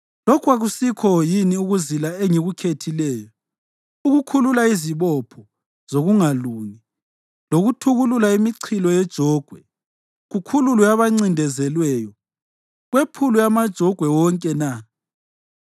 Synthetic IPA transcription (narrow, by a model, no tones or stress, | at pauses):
lɔkʰwaɣusikʰɔjiniuɣuzilaeŋiɣukʰetʰilɛːjɔ | uɣukʰululaiziβɔpʰɔ | z̥oɣuŋaluːŋi | loɣutʰuɣululaimiǀʰilɔjɛd̥ʒ̥ʱɔɡ̥ʱwɛ | ɣukʰululujaβaŋ͡ǀindʱɛzɛlwɛjɔ | ɣwepʰulujamad̥ʒ̥ʱɔɡ̥ʱwɛwɔŋkʼɛna